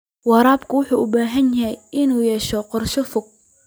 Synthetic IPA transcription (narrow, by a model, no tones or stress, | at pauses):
wɑɾaːbkʰʊwʊħuːʔʊbaːɦɐnjɐɦɛjʔɪnuːjɛːʃɔqɔrʃɔfʊɡ̚